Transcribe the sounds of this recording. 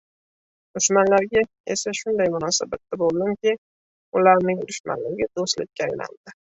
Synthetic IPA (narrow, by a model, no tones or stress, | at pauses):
d̪̥ʊʃmanlaɾɡʲa | ḛsaʃʊnd̪ajmʊnɒsabat̪ːabolˠd̪ɪŋkʲe | ʊlaɾnɪŋʊɾʊʃma̰nlɪɡʲɪd̪ost̪lɪ̰k̚ʰʲːaajna̰ld̪̥ɪ